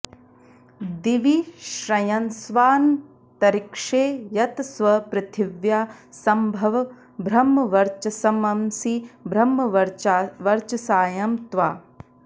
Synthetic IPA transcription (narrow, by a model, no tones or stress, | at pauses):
d̪iʋiʃɾɐjɐnsʋaːn | t̪ɐɾikʂeːjɐt̪sʋɐpɾɐt̪ʰiʋjaːsɐmbʱɐʋɐ | bʱɾɐmːɐʋɐɾt͡ʃɐsɐmɐmsibɾɐmːɐɾʋɐɾt͡ʃɐsaːjɐmt̪ʋaː